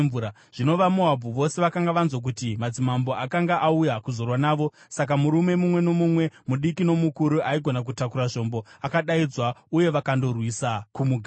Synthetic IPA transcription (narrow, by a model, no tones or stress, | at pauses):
vuːa | ʐ̥ino̞ʋamoabʱuʋo̞se̞ʋakaŋɡaʋanzwok̬utimad͡zimambo̞ʔakaŋɡaʔaujakuzo̞rwanaːʋo̞ | sak̬amuɾume̞mumwe̞no̞mumwe̞muɗikino̞mukuɾuʔaiɡʱo̞nak̬utakuɾaʐo̞mbo̞akaɗaid͡zwauje̞ʋakando̞rwisakumuɡʱa